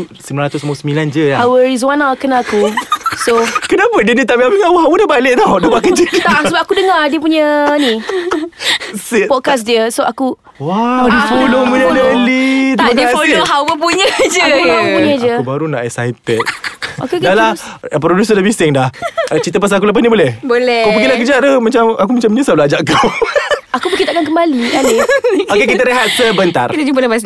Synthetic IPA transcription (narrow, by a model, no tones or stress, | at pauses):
səmbilanɾat̪ʊsmuosəmiland͡ʒəahawəɾizwanakənaakusokənapədənit̪aʔpiapiŋawəɦawədabalɪʔ̚t̪adəpakəd͡ʒət̪asəbapakudəŋadiəp̬uɲənĩ | sipɔt̚kas̬diəsoʔaku | wadifolopuɲədəlit̪əɡiaoɦawəp̬uɲəd͡ʒəapuɲəd͡ʒəubaɾunaʔɛsa̰jt̪ɛt̪̚o̰kekalapɾodus̬ədabisɪŋdaht͡ʃit̪əp̬as̬aak̬uləpasnibolɛhbolɛkaəkilakəd͡ʒaʔdəmat͡ʃamakumãt͡ʃamɲəsablaad͡ʒaʔkawakubəkit̪akank̬əmbalikaiokekit̪̬əɾəɦat̪̚səbənt̪a̰rkit̪əd͡ʒumpələpas̬